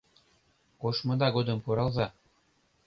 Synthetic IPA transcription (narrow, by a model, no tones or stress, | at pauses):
koʃmɤ̆d̪ɑɡod̪ɤ̆mpuɾɑlˠzɑ